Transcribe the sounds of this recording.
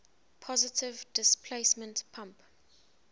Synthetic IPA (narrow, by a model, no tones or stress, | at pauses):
pʰɔzɪtʰɪvdɪspʰleɪsmə̃ntpʰãmp